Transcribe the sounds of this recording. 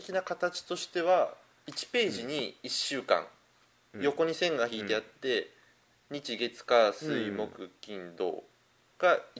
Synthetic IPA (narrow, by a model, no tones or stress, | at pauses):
ekʲinakat̪at͡ɕi̥t̪o̞ɕi̥t̪e̞βa | it͡ɕi̥pe̞ːʑiɲ̟iiɕːɨːkã̰ŋ | jo̞ko̞ɲ̟isẽ̞ŋɡaçiːt̪e̞at̪ːe̞ | ɲ̟it͡ɕiɡe̞t͡sɨ̥kasɨimo̞kɯ̟kʲĩnd̪o̞̰ː | ɡ̥a